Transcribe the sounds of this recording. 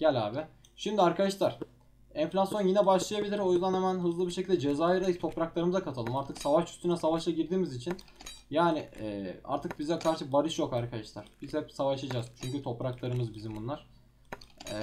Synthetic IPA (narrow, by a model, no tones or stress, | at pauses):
ɟ̥ælʲaːbɪ | ʃimd̪iaɾkʰad̪aʃlˠaɾ̥ | ɛɱflʲasjo̞njinɛbaʃlˠajabilʲiɾo̞jyzd̪anhɛmænɦɯzlˠɯbiɾʃecʰilʲd̪ɛd͡ʒe̞zaːjaɾit̪ʰo̞pɾaklˠaɾɯmɯzakʰat̪ʰalˠɯmaɾt̪ʰɯksavaʃy̥st̪ʰynɛsavaʃlˠaɟiɾd̪iːmizit͡ʃʰin | jaːnɪɛ̰ːa̰ɾt̪ʰɯk̚bizɛkʰaɾʃʰɯbaɾɯʃjo̞kaɾkʰad̪aʃlˠaɾ̥b̥izhɛpsavaʃad͡ʒazt͡ʃʰyɲcyt̪ʰo̞pɾaklˠaɾɯmɯzbizimbunlˠaɾ̥ | ɛ